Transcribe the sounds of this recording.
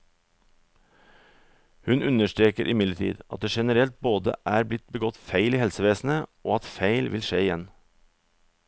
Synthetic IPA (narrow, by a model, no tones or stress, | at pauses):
hʉnʉnəʃtɾeːkəɾʔɪmɪd̪ləʈʰḭːd̪ʔɑt̪̚d̪eːʃɛnəɾɛlt̪̚boːd̪ə̰ʔæːɾblɪt̪̚bəɡɔt̪fæɪliːhɛlsəʋeːsn̩əʔoːɑt̪feɪlʋɪlʃeːɪjɛn